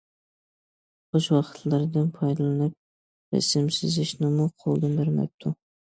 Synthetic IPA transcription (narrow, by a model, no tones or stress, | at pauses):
qoʃwɑqɨ̥t̪ʰlaɾd̪anpʰɑjd̪alanɪp̚ | ɾa̰sɪmsɪzɪʃnɪmʊqʰolˠd̪ɪnbɪɾma̰p̚t̪ʰʊ